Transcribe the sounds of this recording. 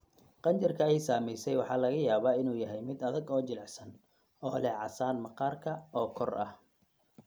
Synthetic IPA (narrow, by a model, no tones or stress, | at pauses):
qɑnt͡ʃɪrkʰɐɛjsaːmɛjsɛjwɑħɑːlɐɣɐjaːβaːɪnuːjɐɦɛjmɪd̪ɐðɐɡɔːt͡ʃɪlɛʕsɐn | ɔːlɛʕɑ̰saːnmɐqɑːrkʰɐɔːkʰɔrʔɐ̰h